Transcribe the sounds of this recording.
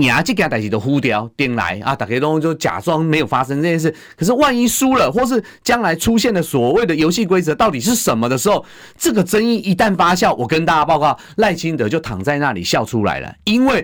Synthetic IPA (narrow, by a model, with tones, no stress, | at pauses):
nja˨˦˥t͡ɕi˥˧˩kã˨˥t̪a˨˩t͡ɕi˨˩ə˦xu˦t̪jɑ˧˦ʊt̪ji˧˩ŋla̰˨˧˦ɪa˨˩t̪a˨˩ke˧˥t̪o˥ŋ˧t͡ɕjo˥˩ʊt͡ɕja̰˨˩t͡swɑ˥ŋme˧˥ɪjo˨˩fa˦˥ʂə˧˦ŋtəɤ˥˧t͡ɕjɛ˥nʂ̩˥˩kʰɤ˨˩ʂ̬̩˥˧wa˥˧ni˥su˦lə˨xwɔ˥˩ʂ̬ɻ̩˥˩ | t͡ɕjɑ˦˥ŋla˧˦ɪʈ͡ʂʰu˦ɕjɛ˥˩ndə˨swɔ˨˩we˥˩ɪd̪ə˩jo˧˥ʊɕi˥˩kwe˥ɪt͡sɤ˧˦t̪ɑ˥˩ʊt̪i˨˩ʂ̬ɻ̩˥˩ʂə˨˦nmə˧d̪ə˨ʂɻ̩˧˥xo˥˩ʊ | t͡sɤ˥˩ɡə˩ʈ͡ʂə˦˥ni˥˩i˦t̪a˥˩nfa˥ɕjɑ˥˩ʊwʔɔ˨˩kə˦nt̪a˥˩˨pɑ˥˧ʊkwɑ˥˩ʊ | la˥˨˩ɪt͡ɕʰi˦˥nt̪ə˨˦t͡ɕjo˥˩ʊt̪ʰɑ̰˨˩ŋt͡sa˥˧ɪna˥˩lḭ˨˩ɕjɑ˥˨˩ʊʈ͡ʂʰu˦la̰˨˦ɪlə̰˨˩i˦˥nwe˥˩ɪ